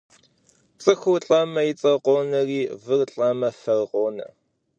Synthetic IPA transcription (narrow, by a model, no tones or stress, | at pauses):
t͡sʼɨxʷʊɬʼɐmɐjɪt͡sʼɐqʷʼoːnɐriːvɨrɬʼɐmɐfɐrqʷʼoːnɐ̰